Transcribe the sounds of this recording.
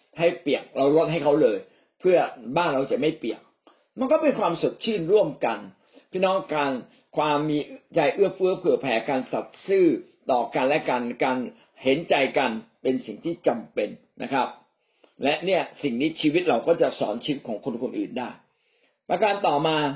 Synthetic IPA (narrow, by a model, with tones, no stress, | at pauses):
ha˥˩jpi˨˩ək̚ɾa˧wɾo˦˥t̪̚ha˥˩jkʰa˦˥wlɤː˧j | pʰɯ˥˩ɐbaː˥˩nɾa˧wt͡ɕa˨˩ma˥˩jpi˨˩ək̚ | ma˧nkɔː˥˩pe˧nkʰwaː˧mso˨˩t̪̚t͡ɕʰɯː˥˩nɾu˥˩əmka˧n | pʰiː˥˩nɔː˦˥ŋkaː˧n | kʰwaː˧mːiː˧t͡ɕa˧jʔɯ˥˩ɐpɯ˦˥˩əpʰɯ˥˩ɐpʰɛː˩˦kaː˧nsa˨˩t̪̚sɯː˥˩ | t̪ɔː˨˩ka˧nlɛ˦˥ka˧nkaː˧n | he˩˦nt͡ɕa˧jka˧npe˧nsi˨˩ŋt̪ʰiː˥˩t͡ɕa˧mpe˧nːʔa˦˥kʰɾa˦˥p̚ | lɛ˦˥ʔni˥˩ɐsi˨˩ŋt̪ʰiː˥˩t͡ɕʰiː˧wi˦˥t̪̚ɾa˧wkɔː˥˩t͡ɕa˨˩sɔ̰ː˩˦nt͡ɕʰiː˦˥t̪̚kʰːŋkʰo˧nkʰo˧nʔɯ̰ː˨˩ndaː˥˩j | pa˧kaː˧nt̪ɔː˨˩maː˧